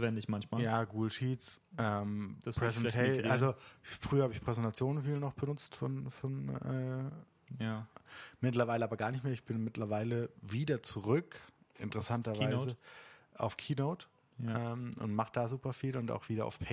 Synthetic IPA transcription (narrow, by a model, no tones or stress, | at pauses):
vɛndɪçmançmaːjjaːɡuːɡl̩ʃiːtsʔɛːmpʁ̥ɛzɛntʰɛʔalzofʁ̥yːɐhaːbəɪçpʁ̥ɛzɛntat͡sjoːnnfiːlnɔχb̥ənʊt͡stfɔnfɔnʔɛː | mɪtlɐvaɪləaːbɐɡaːɐnɪçtmeːɐɪçb̥ɪnmɪtlɐvaɪləviːdɐt͡suʁʏkʔɪ̰ntəʁɛsantɐvɪzəʔa̰ʊfkʰiːnoʊt | ʔʔɛːmʔʊ̰ntmaχəd̥aːzuːpɐfiːlʊnta̰ʊxv̥iːdɐa̰ʊfpʰɛ